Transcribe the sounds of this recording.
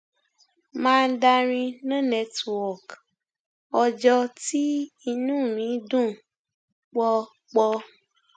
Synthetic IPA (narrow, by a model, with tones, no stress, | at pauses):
mãː˦˧n̩˦da˧ɾ̃ĩ˧nã˦˨nɛ˨˧˨twɔ˨k | ɔ˧d͡ʒɔ˧ti˦i˧nũː˦˨mĩ˨˦dũ˦˨ | k͡pɔ˧ | k͡pɔ˧